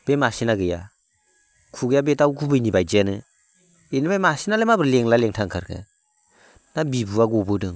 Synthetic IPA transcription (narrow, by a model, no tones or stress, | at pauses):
b̥emasinaɡɯja̰ | kʰuɡɯjabetawkʰubɯjnibajd͡ʒeanɯ | enibajmasinalemabɯɾleŋlaleŋtʰaŋkʰaɾkʰɯ̰ | nabibuaɡɔbɯdɯŋ